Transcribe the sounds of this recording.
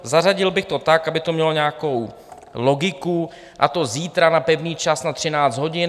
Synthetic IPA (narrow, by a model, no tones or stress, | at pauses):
zaraɟɪlbɪxt̪o̞t̪akʔabɪt̪omɲɛlo̞ɲɛako̞w | lo̞ɡɪku | ʔa̰t̪o̞ziːt̪ɾanapɛvɲiːt͡ʃasnat̪r̝̥ɪnaːt͡sd̪ɦo̞ɟɪn